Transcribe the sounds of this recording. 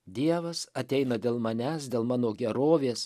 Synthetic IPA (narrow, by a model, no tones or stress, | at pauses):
d̪ʲiɛʋɐsɐt̪ʲɛɪnɐd̪ʲeːlˠmɐnʲæːsd̪ʲeːlˠmɑːnoːɡʲɛɾoːʋʲeːs